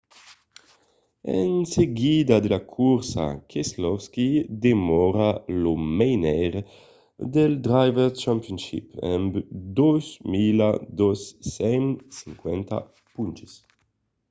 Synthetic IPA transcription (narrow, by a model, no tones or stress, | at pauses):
ḛnseɡid̪ad̪elakʰuɾsa̰kʰeslɔfskid̪emɔɾalomejnɛɾ | d̪eld̪ɾajveɾt͡ʃampjonʃḭpɛ̰mbd̪ozmilad̪osɛmsiŋkwɛnt̪a̰ | punt͡ʃis